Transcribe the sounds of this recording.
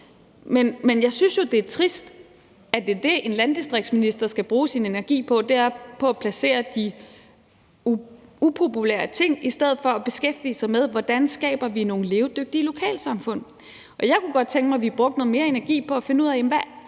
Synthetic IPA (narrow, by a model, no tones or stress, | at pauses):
menmenjɑ̈ɪsynsjo̝d̥e̝æɐt͡sʰʁisd̥ | æd̥e̝d̥e̝ʔe̝nlænd̥isd̥ʁeɡ̥̚d̥sminisd̥ɐsɡ̥æb̥ʁuːsine̝næɐɡ̥ḭːpʰɒ̽d̥eæɐpʰɒ̽æpʰlæse̝̰ːɐd̥i | upʰo̝pʰulḛːɐt͡sʰe̝ŋ̰isd̥eð̞̰̩ˠfɒ̽æb̥e̝sɡ̥efd̥ḭːsɑ̈ɪmeð̞ˠʋɒd̥ænsɡ̥ɛ̰ːb̥ɐʋino̝ːn̩le̝ːʊd̥øɡ̥̚d̥ilo̝kʰɛ̰ːlsɑ̈mfɔ̽n̰ | ʔɒ̽jɑ̈ɪkʰuɡ̥ɒ̽d̥̚t͡sʰeŋɡ̥mɑ̈ɪʋiæb̥ʁɔɡ̥̚d̥nɔ̽ð̩ˠme̝ːɐe̝næɐɡ̥ḭːpʰɒ̽æfe̝nəuð̞̰ˠæemʋæ